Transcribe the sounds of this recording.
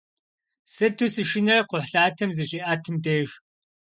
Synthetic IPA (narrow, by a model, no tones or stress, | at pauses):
sɐtʰusɨʃɪnɐrqʷʊħɬaːtʰɐmzɨɕʼiːʔaːtʰɨmdeːʒ